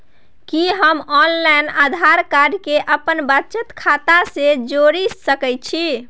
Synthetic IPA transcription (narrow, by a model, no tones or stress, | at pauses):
kiɦəmɔnlajnad̪ʱaɾkaɾkeʔəpənbət͡ʃət̪kʰat̪ased͡ʒoɾisəkɛj̚t͡ʃʰi